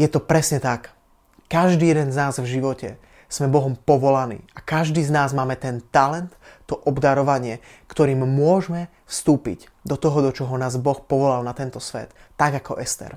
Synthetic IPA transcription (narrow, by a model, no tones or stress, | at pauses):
jɛt̪ɔpɾɛsɲɛt̪akː | aʒd̪iːjɛd̪ɛnznaːzvʒiʋɔcɛ | smɛbɔɦɔmpɔʋɔlanḭːakaʒd̪iːznaːzmaːmɛt̪ɛnt̪alɛnt̪ːɔʔɔbd̪aɾɔʋaɲɪɛkt̪ɔɾiːmmʊɔʒmɛ | fst̪uːpḭɟ | d̪ɔt̪ɔɦɔd̪ɔt͡ʃɔɦɔnaːzbɔxpɔʋɔlalnat̪ɛnt̪ɔsʋɛ̰t̪ːaɡakɔʔɛst̪ɛ̰ɾ